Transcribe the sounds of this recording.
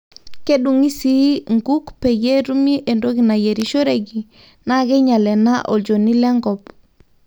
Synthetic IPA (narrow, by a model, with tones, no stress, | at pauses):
ke˦ɗu˨ŋi˦si˦ŋɡu˦kpɛ˨je˦ɾu˦mi˦ʔe˨ndo˦ki˨na˨je˨ɾi˦ʃo˦ɾe˨ɡi˨ | na˦ɡɛ˦ɲa˨lɛ˨na˦ʔo˨ld͡ʒo˨ni˦lɛ˦ŋɡɔ˨p